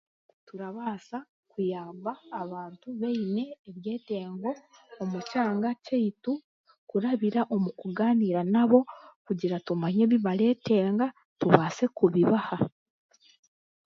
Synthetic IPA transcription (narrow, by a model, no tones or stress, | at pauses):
tuɾaβasa | kujaːmbaːβaːntuβeine̞ːβje̞ːte̞ːŋɡo̞ː | mucaːŋɡaceitu | kuɾaβiɾaʔo̞mukuɡaːniɾanaβo̞kuɟiɾatumaɲeβiβaɾe̞ːte̞ːŋɡa | tuβaːse̞kuβiβaha